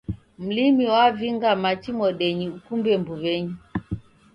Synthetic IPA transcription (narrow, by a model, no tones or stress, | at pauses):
m̩limiwaviŋɡamat͡ʃimɔɗɛɲiukumbɛmbuβɛɲi